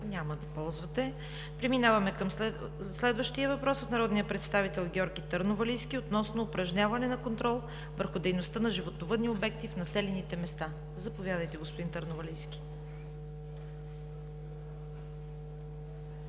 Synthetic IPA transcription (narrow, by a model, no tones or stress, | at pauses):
ɲʲaməd̪ɐpɔlˠzvɐt̪ɛ | pɾɛminavɐmɛkəm | slɛd̪vəʃt̪ijəvɐpɾɔsot̪nɐɾɔd̪nijəpɾɛt̪st̪avit̪ɛlˠɡʲɔɾɡʲit̪əɾnovɐliskʲiot̪nɔsnoːpɾɐʒɲʲavɐnɛnɐkont̪ɾɔlˠ | vəɾxʊd̪ɛjnost̪ənɐʒivot̪novɤd̪niobɛk̚t̪ifnɐsɛlɛnit̪ɛmɛst̪a | zɐpovʲjad̪əjt̪ɛɡospod̪int̪əɾnovɐliskʲi̥